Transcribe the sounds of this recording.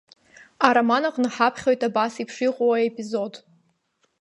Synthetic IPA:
aɾamanaqʼnħapʰχʲo̞jtʰʼabasipʰʂiqʼowaepʼizo̞d

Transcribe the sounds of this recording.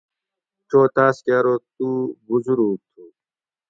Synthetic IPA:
t͡ɕoːt̪aːskaːɾoːt̪uːbuzuɾuːt̪ʰuː

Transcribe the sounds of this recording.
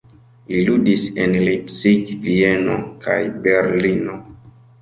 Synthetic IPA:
liludisenlipsiɡvieno̰kʰa̰jbe̞ɾlino̞

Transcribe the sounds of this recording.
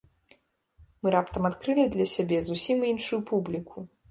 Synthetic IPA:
mɨɾapt̪ɐmat̪kɾɨlʲid̪lʲɐsʲabʲɛzusʲiminʂujupʰublʲikʰu

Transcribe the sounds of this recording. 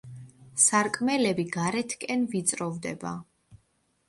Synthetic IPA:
saɾkʼmɛlɛbiɡaɾɛt̪ʰkʼɛnvit̪sʼɾɔvd̪ɛ̰ba̰

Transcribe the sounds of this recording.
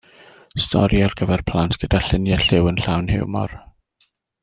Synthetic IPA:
stʰɔ̰ɾjarɡ̥əvɛrpʰlˠantɡ̥ədaɬɪnjɛɬɪwənɬawnhɪ̰wmɔ̰r

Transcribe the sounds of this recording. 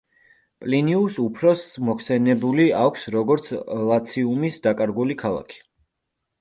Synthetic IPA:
pʼliniusupʰɾɔsmɔkʰsɛnɛbuliakʷʰsɾɔɡɔɾt̪sʰlˠat̪sʰiumisd̪akʼaɾɡulikʰalˠa̰kʰi̥

